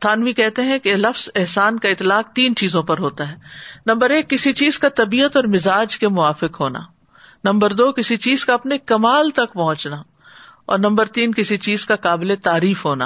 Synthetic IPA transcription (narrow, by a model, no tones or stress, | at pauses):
t̪ʰaːnʋikɛɦt̪eɦɛ̃kelɐfz̥ɛɦsaːnkaɪt̪ːlaːq̚t̪iːnt͡ʃiːzõpɐɾɦoːt̪aɦɛːnɐ̃mbəɾeːkːɪsit͡ʃiːzkat̪ɐbiːət̪ɔːɾmɪzaːd͡ʒkemʊaːfɪkɦoːna̰ː | nɐ̃mbəɾd̪oːkɪsit͡ʃiːzkaɐpnekɐmaːlt̪ɐkpɐɦʊ̃t͡ʃna | ɔ̰ːɾnɐ̃mbəɾt̪iːnkɪsit͡ʃiːzkakaːbɪlet̪aːɾiːfɦoːna̰ː